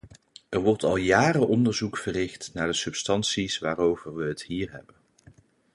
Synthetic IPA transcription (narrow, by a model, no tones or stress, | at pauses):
ɛɹʋɔɹtɑlˠjaːɾəʔɔndəɹzukfərɪχtnaːɹdəsɵpstɑnsisʋaːɾowvəɹʋəɦətɦiːɹɦɛ̰bən